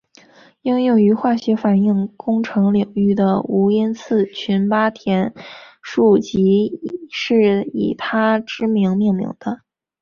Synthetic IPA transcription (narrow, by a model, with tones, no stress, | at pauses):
i˥ŋjʊ˥˩ŋy˧˥xwa˥˩ɕɥɛ˧˥fa˨˩ni˥˩ŋkʊ˥ŋʈ͡ʂʰɤ˧˥ŋli˨˩ŋy˥˩d̪ə˩u˧˥i˥nt͡sʰɹ̩˥˩t͡ɕʰy˧˥npa˥t̪ʰjɛ˧˥nʂu˥˩t͡ɕi˧˥ʂɻ̩˥˩ḭ˨˩t̪ʰa˥ʈ͡ʂɻ̩˥mi˧˥ŋmi˥˩ŋmḭ˧˥ŋd̪ə˧